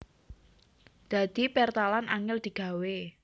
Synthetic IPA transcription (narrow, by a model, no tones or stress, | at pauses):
d̪̥a̤d̪̥i̤pɛrt̪alanaŋɪld̪̥i̤ɡ̥a̤we